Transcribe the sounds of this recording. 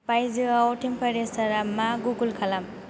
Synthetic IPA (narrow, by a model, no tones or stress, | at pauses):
pajzɯawʈʰimpʰaɾesaɾamaɡuɡulkʰalam